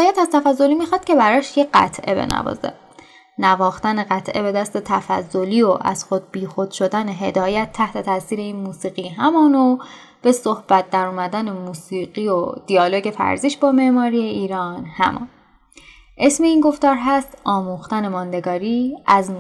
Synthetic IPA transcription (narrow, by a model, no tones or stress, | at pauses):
jæt̪æz̥t̪ʰæfæzːo̞limiːxɒd̪̥̚ce̞bæɾɒːʃjeɢæ̰t̪ʰʔebḛnæ̰vɒ̰ːzḛ | nævɒːxt̪æneɣæt̪ʰʔe̞be̞d̪æst̪e̞t̪ʰæfæ̰zːo̞liːoʔæ̰z̥xod̪̚biːxo̞d̪̥ʃo̞d̪æneɦe̞d̪ɒːjæt̪ʰːæht̪ʰe̞t̪ʰæsiːɾe̞iːnmuːsiːɣiːɦæmɒːno | b̥esohb̥æt̪̚d̪æɾuːmæd̪æne̞muːsiːɢiod̪̥iɒːlo̞ɟe̞fæ̰ɾziʃbɒːme̞ʔmɒːɾijeiːɾɒːnhæ̰mʔɒ̰ːn | ʔe̞sme̞iːnɡo̞ft̪ɒːɾɦæst̪ʔɒːmuːxt̪æne̞mɒːnd̪e̞ɡɒːɾiːæz